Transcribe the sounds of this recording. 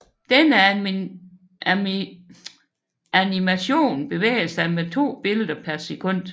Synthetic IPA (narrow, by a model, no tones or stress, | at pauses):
d̥enə | ænimæɕo̝̰ːnb̥e̝ʋḛːɪsɑ̈ɪmet͡sʰo̝̰ːb̥e̝ləd̥ɐpʰæɐsekʰɔ̽n̰d̥